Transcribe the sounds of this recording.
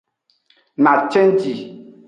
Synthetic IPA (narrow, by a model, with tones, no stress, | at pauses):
ma˨t͡ʃɛ˦n˦di˨